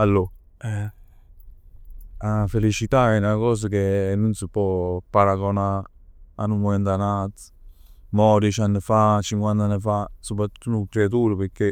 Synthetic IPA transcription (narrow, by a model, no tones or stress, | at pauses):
alːo | ɛ | afːelit͡ʃit̪aɛnakɔːs̬akenːunsipɔpːaɾaɡona | anːumoment̪anat̪ | mɔɾet͡ʃanːəfat͡ʃiŋkwant̪anːəfasopɾat̪ːut̪ːunːukːɾeat̪̬uːɾəpeɾkːe